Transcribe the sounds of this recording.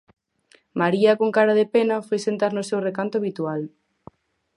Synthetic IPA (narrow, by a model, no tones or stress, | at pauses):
maɾiɐkoŋkaɾɐðepenɐfojsent̪aɾnʊsewrekant̪ʊaβit̪ual